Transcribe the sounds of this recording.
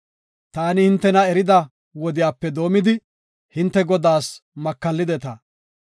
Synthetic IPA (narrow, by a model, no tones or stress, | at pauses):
t̪aːnɪhɪnt̪ːɛnɐɛɾɪd̪ɐ | wɔd̪ɪjaːpːɛd̪o̞ːmɪd̪ɪ | hɪnt̪ːɛɡɔd̪aːsmɐkːɐlːɪd̪ɛt̪ɐ